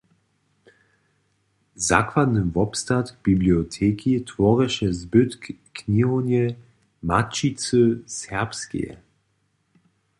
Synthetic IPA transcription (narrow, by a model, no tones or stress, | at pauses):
za̰kvad̪nəvɔpst̪at̪b̥ibliɔtʰɛːkʰitvɔʁɛʃɛzbʏt̪kniɦɔnɛ | mat͡ʃit͡səsɛɐpskḭɛ̰